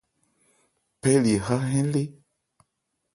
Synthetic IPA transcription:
pɛ˦li˨ha˦ɦɛ̃˦le˦

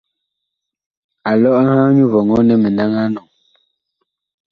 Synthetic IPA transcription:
a˨lɔ˦ʔhãː˦ɲu˦vɔ˨ŋɔ˦nɛ˦˨me˨na˦ŋa˦nɔ˨ŋ

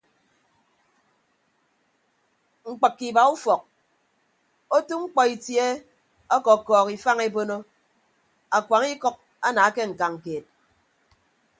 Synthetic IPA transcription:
ŋ͡m̩˨k͡pɨ˨kːi˨ba˨u˦fɔ˨k̚ | o˦tu˦ŋ͡m̩˦k͡pɔ˨i˨tje˦ | ɔ˦kɔ˨kɔː˨ki˨fa˦ŋe˦bo˦no˦ | a˨kʷwa˨ŋi˦kɔ˦k̚ | a˦na˨a˦ke˦ŋ̩˨ka˨ŋ̩˨keː˨t̚

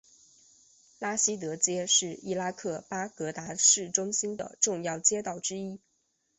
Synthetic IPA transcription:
la˥ɕi˥t̪̬ɤ˧˥t͡ɕjɛ˥ʂɻ̩˥˩i˥˩la˥kʰɤ˥˩pa˥kɤ˧˥t̪a˧˥ʂɻ̩˥˩ʈ͡ʂʊ˥ŋɕi˥nd̪ə̰˨ʈ͡ʂʊ˥˧ŋjɑ˥˩ʊt͡ɕjɛ˥t̪ɑ˥˩ʊʈ͡ʂɻ̩˥i˥

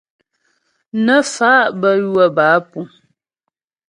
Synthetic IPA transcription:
nə˦faː˨˦ʔbə˦˨jwə˦˨baː˨˦pu˨

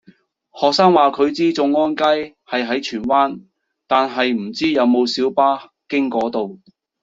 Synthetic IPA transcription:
hɔː˨k̚saː˥ŋwaː˨kʰɵ˨˧ɥt͡siː˥t͡sʊ˧ŋːɔː˥nka˥j | hɐ˨jɦɐ˨˥jt͡ʃʰyː˨˩nwaː˥n | t̪aː˨nɦɐ˨jm̩˨˩t͡siː˥jɐ˨˧wmo˨˧wsiː˨˥wpaː˥ | kɪ˥ŋkɔː˨˥t̪o˨w

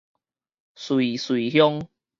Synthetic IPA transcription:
swi˨swi˨hjɔ˦ŋ

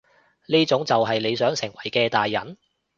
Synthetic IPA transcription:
niː˥t͡sʊ˨˥ŋt͡sɐ˨wɦɐ˨jle˨˧jsœː˨˥ŋsɪ˨˩ŋwɐ˨˩jkɛː˧t̪aː˨jːɐ˨˩˦n

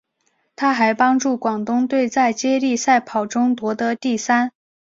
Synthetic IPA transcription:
t̪ʰa˥xa˧˥ɪpɑ˥ŋʈ͡ʂu˥˩kwɑ˨˩ŋt̪ʊ˥ŋt̪we˥˧ɪt͡sa˥˧ɪt͡ɕjɛ˥li˥˧sa˥˩ɪpʰɑ˨˩ʊʈ͡ʂʊ˥ŋt̪wɔ˧˥d̪ə˧t̪i˥˩sa˥n

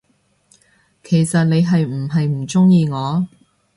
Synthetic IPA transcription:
kʰe˨˩jsɐ˨t̚ne˨˧jɦɐ˨jm̩˨˩ɦɐ˨jm̩˨˩t͡sʊ˥ŋjiː˧ŋɔː˨˧

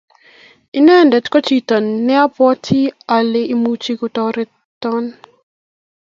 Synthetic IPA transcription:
i˦nɛ˦ndɛ˨tkɔ˦t͡ʃi˦ta˨nːɛ˦a˦pɔ˦tʰi˦a˨le˦ʔi˦mu˦t͡ʃi˦ku˨tɔ˦ɾɪ˦ | t̪ːɔ˦n

